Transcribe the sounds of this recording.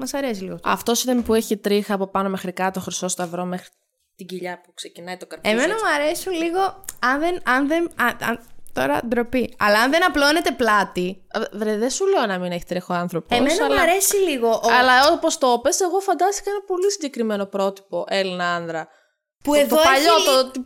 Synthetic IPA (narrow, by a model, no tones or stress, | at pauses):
mɐsɐɾe̞siliɣotɐ̰ft̪o̞siðɐmipueçit̪ɾixɐːpo̞pɐno̞me̞xɾikɐt̪o̞xɾiso̞st̪ɐvɾo̞mexɾi | t̪iɟiʎɐpukse̞cinɐjt̪okɐɾemenɐmuɐɾe̞sunliɣo̞ɐnðenɐnðenɐɐ̰nt̪o̞̰ɾɐ̰d̪ɾo̞piɐ̰lɐɐnðenɐploine̞t̪e̞plɐt̪i | vɾeðesuleonɐmineçi̥t̪ɾixoɐnθɾo̞peomesnɐɐlɐɐɾe̞siliɣoʔoɐlɐopo̞st̪o̞pe̞se̞ɣo̞fɐnd̪ɐst̪i̥kɐenɐpo̞lisiɲɟe̞kɾimeno̞pɾo̞t̪i̥po̞ʔe̞linɐɐnðɾɐ | puet̪opɐʎot̪ot̪i